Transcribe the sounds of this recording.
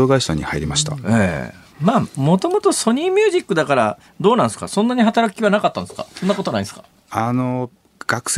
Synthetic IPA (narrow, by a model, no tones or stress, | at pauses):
oɡaisã̰ɲ̟ːihaiɾʲimaɕi̥t̪a̰ḛː | maːmo̞t̪o̞mo̞t̪o̞so̞ɲ̟ĩːmʲjɨːʑikːɯ̟d̪akaɾa | d̪o̞ːnãnsɨ̥ka̰sõ̞nːaɲ̟iɦat̪aɾakʲiβanakat̪ːãnd̪ska̰so̞nːako̞t̪o̞nai̥sɨ̥ka | ano | ɡ̥akɯ̟̥s